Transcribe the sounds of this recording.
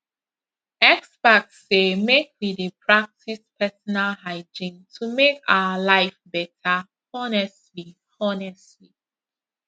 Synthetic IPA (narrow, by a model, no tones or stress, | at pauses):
ɛksbaksːemek̚ʰwidepʰɹak̚tispʰɛsɔnalɦaɪd͡ʒĩntʰumeka̰ʊəlaɪfbɛtʰa | ɔnɛstli | ɔnɛstli